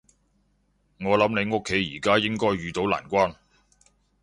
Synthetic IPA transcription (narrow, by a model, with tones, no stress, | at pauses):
ŋɔː˨˧lɐ˨˥mne˨˧jŋʊ˥kʰːe˨˥jːḭː˨˩kaː˥jɪ˥ŋkɔː˥jɥyː˨˧t̪o˨˥wla̰ː˨˩nkʷaː˥n